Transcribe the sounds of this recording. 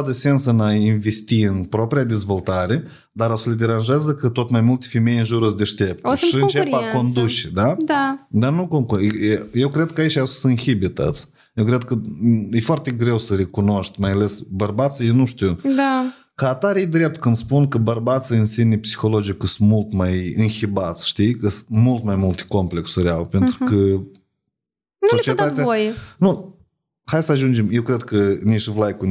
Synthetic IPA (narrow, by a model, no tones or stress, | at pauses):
d̪əse̞nt̪səɨnainve̞st̪iɨnpɾo̞pɾiad̪e̞zvo̞lt̪aɾe̞ | d̪aɾosəled̪e̞ɾanʒazəkət̪o̞t̪majmult̪efeme̞jɨnʒuɾɨsd̪e̞ʃt̪e̞p̚t̪oʃiɨnt͡ʃepako̞nd̪ut͡ʃed̪ad̪ad̪anukoŋkje̞wkɾe̞d̪̚kəait͡ʃʲawssɨnxibet̪a̰t̪s | jewkɾe̞d̪̚kəjefoart̪e̞ɡɾe̞wsəɾe̞kuno̞ʃt̪ʲmajale̞sbərbat̪sijenuʃt̪iwd̪a | kaːt̪aɾejd̪ɾe̞p̚t̪kɨnd̪spunkəbərbat̪siɨnsinipsi̥xo̞lod͡ʒikɨst̪mult̪majɨnxibat̪sʃt̪ikəst̪mult̪majmult̪e̥ko̞mple̞ksuɾʲa̰lpe̞nt̪ɾukə | nsot͡ʃied̪at̪eavojenu | hajsəaʒund͡ʒemjewkɾe̞d̪kəniʃvlajkun